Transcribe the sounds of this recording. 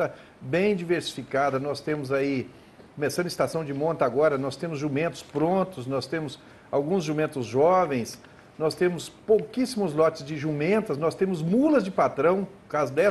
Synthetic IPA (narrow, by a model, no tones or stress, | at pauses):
t̪ɐ | bẽj̃d͡ʒiveɾsi̥fikad̪ɐnɔst̪ẽmʊzai | komesɐ̃d̪ɐ̃ist̪asɐ̃w̃d͡ʒɪmõnt̪aɡɔɾɐnɔst̪ẽmʊzʒumẽnt̪ʊ̥spɾõnt̪ʊsnɔst̪ẽmʊs | awɡũzʒumẽnt̪ʊzʒɔvẽj̃s | nɔst̪ẽmʊspowkisimʊzlɔt͡ʃɪzd͡ʒɪʒumẽnt̪ɐsnɔst̪ẽmʊzmulɐzd͡ʒɪpat̪ɾɐ̃w̃ʊkazʊd̪ɛ